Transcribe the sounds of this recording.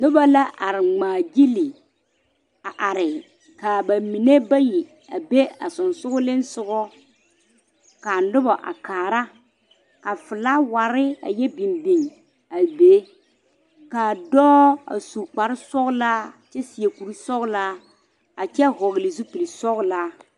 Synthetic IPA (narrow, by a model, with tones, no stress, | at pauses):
nʊ˦ba˦la˦ʔa˨ɾɪ˨ŋ͡maː˨ɡi˦lɪ˨ | a˨ʔa˨ɾɪ˨ | ka˨ba˨mi˨ne˦ba˦ji˨ | a˨be˦a˨sʊ˨nsʊ˦ɣʊ˦lɪ˦nsʊ˨ɡɣɔ˦ | ka˨nʊ˦ba˨ʔa̰˨kaː˨ɾa˦ | ka˨fɪ˨la˦wa˨ɾɪ˦a̰˨jɛ˦bi˨nbi˨ŋ | a˨be˨˦ | kaː˨dɔː˦a̰˨su˨k͡pa˨ɾɪ˦sɔ˦ɣla˦t͡ʃɛ˦si˨e˨ku˨ɾi˦sɔ˦ɣla˦ | a˨t͡ʃɛ˦ɦɔ˨ɣɪ˨lɪ˨zu˦pi˨li˨sɔ˦ɣla˦